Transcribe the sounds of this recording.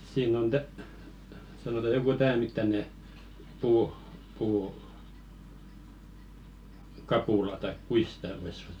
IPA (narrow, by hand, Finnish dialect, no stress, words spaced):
siːn on tæ sɑnotɑ joku tæː mitːɑne puːh̆ puː kɑpulɑ tɑik kuis sĭtæˑ ʋois